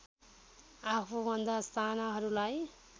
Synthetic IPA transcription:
apʰubʱʌnd̪ast̪ʰanʌɦʌɾulaj

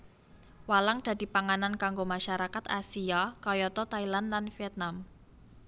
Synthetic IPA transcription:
walaŋd̥ä̤d̪̥i̤paŋanankaŋɡomaʃaɾakat̪asiakɔjɔt̪ɔt̪ailanlanfiɛt̪̚nam

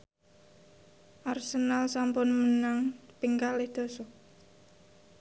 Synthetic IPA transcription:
ʔarsənalsampʊnmənaŋpiŋkalɪhd̪̥o̤sɔ

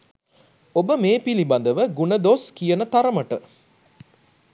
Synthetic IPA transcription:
obəmeːpiliband̪əʋəɡunəd̪oskijənət̪aɾəməʈə

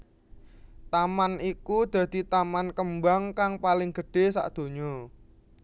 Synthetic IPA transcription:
t̪amanikud̪̥ä̤d̪̥i̤t̪amankəmbaŋkaŋpalɪŋɡ̥ə̤ɖ̥e̤sa̰ʔd̪̥o̤ɲɔ

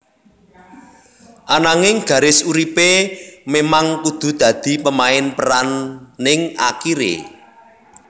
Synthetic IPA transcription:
ʔanaŋɪŋɡ̥ä̤ɾɪsuɾipememaŋkud̪̥ṳd̪̥ä̤d̪̥i̤pəmaɪnpəɾanːɪŋa̰kiɾḛ

